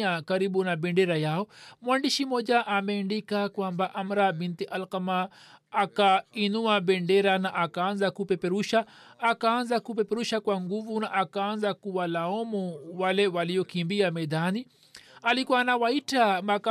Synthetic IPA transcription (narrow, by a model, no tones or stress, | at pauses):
akaɾiɓunaɓɛndɛɾajaɔmwandiʃimɔʄaʔamɛːndikakwambaʔamɾabint̪iʔalqamaː | kainuaɓɛndɛɾanaʔakaanzakupɛpɛɾuʃaːkaːnzakupɛpɛɾuʃakwaŋɡuvunaʔakaːnzakuwalaɔmuwalɛwaliɔkimbiamɛðani | alikuwanawaitamaka